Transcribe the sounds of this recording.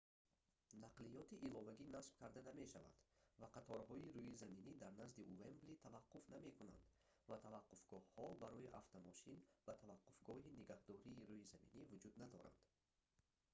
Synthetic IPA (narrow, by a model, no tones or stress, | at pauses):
naqlijɔt̪iʔilɔvaɡinasb̥̚kʰaɾd̪aname̞ʃava̰nd̪vaqʰat̪ʰɔɾɦɔiɾuizaminid̪aɾnazd̪iʔuvemblit̪ʰavaqːufname̞kʰuna̰nd̪ | vat̪ʰavaqːufɡ̥ɔhhɔbaɾɔjiʔaft̪ʰamɔʃinb̥at̪ʰavaqːufɡɔhiniɡahd̪ɔɾiːɾujizamḭnivud͡ʒud̪nad̪ɔ̰ɾa̰nd̪̥